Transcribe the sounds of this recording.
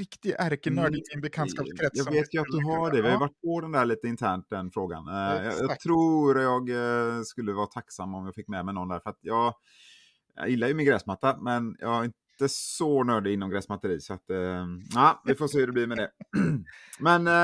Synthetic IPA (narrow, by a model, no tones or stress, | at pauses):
ɾɪkt̪ɪɡæɾkənœːɪɪnbɛkʰanskɑːskʰɾɛjɑːɡveːt̪jɵat̪̚d̪ɵɦaɖɛvɪhajʏvaʈːpʰɔd̪ɛnd̪æːɭiːt̪əɪnt̪ʰæːɳʈ̚d̪ɛnfɾoːɡa̰nj̰ɑt̪ʰɾuɾat̪jɑɡskɵlːəvɑːt̪ʰaksamːɔmjɑːɡfɪkːmɛmɛɪnɔnd̪æːɾfœɾat̪jɑːɡ | jɪlːajɵmɪnɡɾɛːsmat̪ːamɛnjɑ̰ːɡæɾɪnt̪əsɔnœːɖɪɪnːɔmɡɾɛːsmat̪ːəɾiːsɔat̪ | æːvɪfoːs̬eːhɵdɛbliːmɛd̪ɛ | mɛn